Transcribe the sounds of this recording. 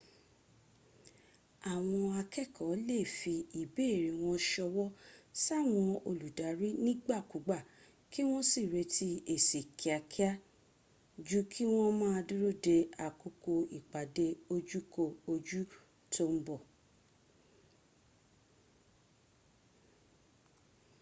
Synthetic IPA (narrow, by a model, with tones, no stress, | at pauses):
a˨w̃ɔ̃˧a˧kɛ˦˨kʰɔ˨˦le˦˨fi˧i˨be˨˦˨ɾi˨w̃ɔ̃˧ʃɔ˧wɔ˦sa˦˨w̃ɔ̃˧o˧lu˨da˨˦ɾi˦nĩ˦ɡ͡ba˦˨ku˨˦ɡ͡ba˦˨ | ki˦w̃ɔ̃˦si˦˨ɾe˧tʰi˦e˦˨si˨kʰi˨a˨kʰi˦a˦ | d͡ʒu˦kʰi˦w̃ɔ̃˦mãː˦a˧du˦ɾo˦˨de˧a˨ku˨˧ko˧i˨k͡pa˨de˧o˧d͡ʒu˦ko˦˨o˧d͡ʒu˦ | to˦m̩˦bɔ˦˨